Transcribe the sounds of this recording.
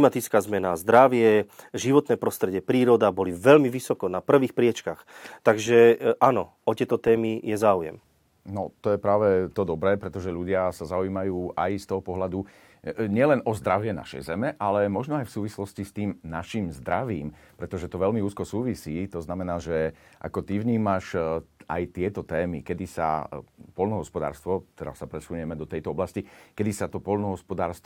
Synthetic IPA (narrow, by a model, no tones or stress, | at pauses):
limat̪it͡skaːzmɛnazd̪ɾaʋɪɛʒiʋɔt̪nɛːpɾɔst̪ɾɛɟɛpɾiːɾɔd̪abɔliʋɛlmiʋisɔkɔnapr̩ʋiːxpɾɪɛt͡ʃkaxt̪aɡʒɛʔanɔ̰ | ɔt̪ɪɛt̪ɔt̪ɛːmijɛzaːujɛ̰m | nɔt̪ɔjɛpɾaːʋɛt̪ɔd̪ɔbɾɛːpɾɛt̪ɔʒɛʎuɟɪasazauiːmajuːʔajst̪ɔɦɔpɔɦlad̪u | ɲɪɛlɛnʔɔzd̪ɾaʋɪɛna̰ʃɛ̰jzɛmɛʔalɛmɔʒnɔajfsuːʋislɔscist̪iːmnaʃiːmzd̪ɾaʋiːm | pɾɛt̪ɔʒɛt̪ɔʋɛʎmiuːskɔsuːʋisiːt̪ɔznamɛnaːʒɛʔa̰kɔt̪iʋɲiːmaʃa̰jt̪ɪɛt̪ɔt̪ɛːmikɛd̪isa̰pɔlnɔɦɔspɔd̪a̰ːɾst̪ʋɔt̪ɛɾa̰sːapɾɛsuɲʊɛmɛd̪ɔt̪ɛjt̪ɔɔblascikɛd̪isat̪ɔpɔlnɔɦɔspɔd̪aːɾst̪